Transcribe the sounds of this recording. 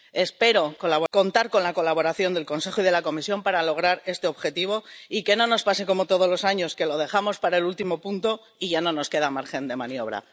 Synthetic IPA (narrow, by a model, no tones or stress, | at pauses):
e̞spe̞ɾo̞kolaβoko̞nt̪aɾko̞nlako̞laβo̞ɾaθjo̞nd̪e̞lko̞nse̞xoið̞e̞lako̞misjo̞mpaɾalo̞ɣ̞ɾaɾe̞st̪e̞oβxe̞t̪iβ̞o̞ike̞nõ̞no̞spase̞ko̞mo̞t̪oð̞o̞zlo̞saɲo̞ske̞lo̞ð̞e̞xamo̞spaɾaelult̪imo̞punt̪o̞ | iʝano̞no̞ske̞ð̞amaɾxe̞nd̪e̞manjo̞β̞ɾa̰